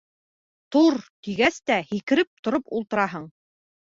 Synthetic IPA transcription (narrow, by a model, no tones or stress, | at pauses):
t̪uɾt̪iɡæst̪æhikɘ̆ɾɘp̚t̪ŏɾopulˠt̪ɤ̆ɾɑɦɤɴ